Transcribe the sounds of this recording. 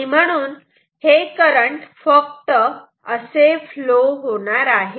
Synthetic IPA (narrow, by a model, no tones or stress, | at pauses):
im̤əɽ̃uːn | hekəɾəɳʈfək̚t̪ə | əsefloɦoɽ̃aɾaɦe